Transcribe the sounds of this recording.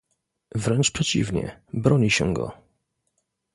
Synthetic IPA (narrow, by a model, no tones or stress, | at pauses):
vɾɛnt͡ʂpʂɛt͡ɕḭvɲɛ̰bɾɔɲiɕɛɡɔ̰